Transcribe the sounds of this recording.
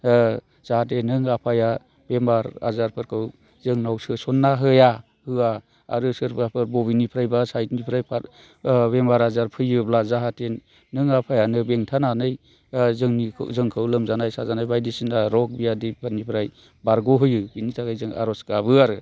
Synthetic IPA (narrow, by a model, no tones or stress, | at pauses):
z̥ahat̬enɯŋapʰaja | bemaɾa̰zaɾpʰɯɾkʰɯw | zɯŋnawsɯsɔnːaɦɯja | hɯa | a̰ɾɯsɯɾbapʰɯɾbɔβinipʰɾajbasajtnipʰɾajpʰaɾ | bemaɾazaɾpʰɯjɯblazaɦate | nɯŋapʰajanɯbeŋtʰananɯj | zɯŋnḭzɯŋkʰɯwlɯmzanajsazanajbajdisɯnaɾɔk̚bijadipʰaɾnipʰɾaj | baɾɡɔɦɯjɯbinitʰaɡajzɯŋa̰ɾɔskabɯaɾɯ